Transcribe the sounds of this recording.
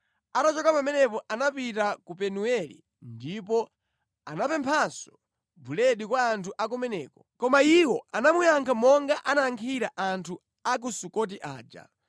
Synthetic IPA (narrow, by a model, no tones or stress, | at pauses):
atat͡ʃɔkapamɛnɛp̬ɔʔanapitakupɛnuɛlḭ | ndipɔ | anapɛmpʰasɔ | bulɛɗikwaːntʰuʔak̬umɛnɛ̰ːkɔ̥kɔmaiwɔanamujaŋkʰamɔŋɡaʔanaaŋkʰiɾaʔantʰu | ak̬usukɔt̬iʔa̰ːd͡ʒa̰